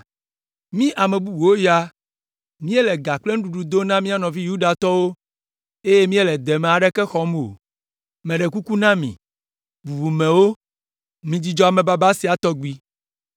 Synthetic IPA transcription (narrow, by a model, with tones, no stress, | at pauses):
mĩ˦ʔa˨mɛ̃˨bu˦bu˨wo˦ja˦ | mĩ˦e˦lɛ˨ɡa˨k͡ple˦ñ̩˦ɖu˨ɖu˨d̪o˦nã˦mĩ˦a˦nɔ̃˨vi˦ju˦ɖa˨t̪ɔ˦wo˦ | e˦je˦mĩ˦e˦˨lɛ˨d̪ɛ˨mɛ̃˨a˨ɖɛ˦kɛ˦xɔ˦m˦˨o̰˨ | mɛ̃˨ɖɛ˨ku˦ku˦nã˦mḭ̃˨ | bu˨bu˨mẽ˨wo˦ | mĩ˨d͡ʑi˦d͡ʒɔ˦a˨mɛ̃˨ba˦ba˦si˨a˨t̪ɔ˦ɡi˦